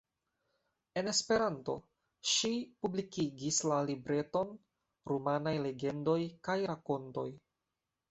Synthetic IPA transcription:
e̞ne̞spe̞ɾanto̞̰ | ʃipublikiɡislalibɾe̞to̞n | ɾumanajle̞ɡe̞ndo̞jkajɾako̞nto̞j

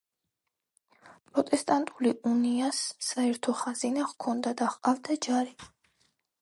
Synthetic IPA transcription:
pʼɾɔt̪ʼɛst̪ʼant̪ʼuliʔuniasːaɛɾt̪ʰɔχazinaʁkʰɔnd̪ad̪aχqʼavd̪ad͡ʒaɾi

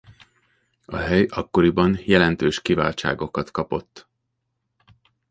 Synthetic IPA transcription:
ɒɦɛjɒkːo̞ɾibɒnjɛlɛnt̪øːʃkiva̰ːlt͡ʃa̰ːɡo̞kɒt̪kɒpo̞t̪ː

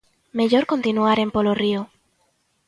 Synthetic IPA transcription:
meʎoɾko̞nt̪inuaɾempolorio

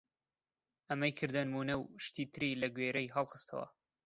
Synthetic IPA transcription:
ʔɐmɐjkʰɨɾd̪ɐnɨmuːnɐwʃt̪iːt̪ʰɨɾilɐɡweːɾɐjɦɑlˠχɨ̥st̪ʰɐwɐ̰

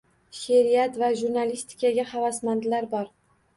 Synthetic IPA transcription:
ʃeɾijat̪vaʒuɾnalist̪ʰɪ̥kʰʲaɡʲahavasmand̪laɾbɒɾ

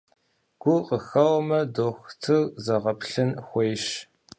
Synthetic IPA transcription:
ɡ̥ʷʊqəxɐwmɐdoːxʷtʰɨɣzɐʁɐpɬɨnxʷejʃ

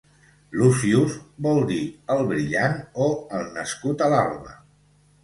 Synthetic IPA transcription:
lusiuzbɔlˠd̪iəlˠβɾiʎanoəlˠnəskut̪əla̰lβə̰

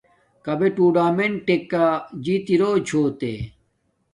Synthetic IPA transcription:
kɐbeʈuːɖaːmenʈekːad͡ʑiːt̪iɾoːt͡ɕʰoːt̪ḛ

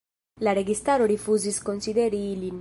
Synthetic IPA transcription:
laɾeɡist̪aːɾoɾifuziskonsid̪ɛɾiːlin

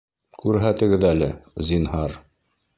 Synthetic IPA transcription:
kʉɾɦæt̪ɘ̆ɡɘðælɘzinɦɑɾ

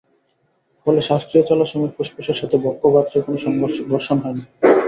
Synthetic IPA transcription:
fɔleʃaʃkɾiot͡ɕɔloʃɔmik̚poʃpeʃeɾʃat̪ʰebɔkːobat̪ːɾokonoʃɔŋd̪oɾʃonɦɔeni

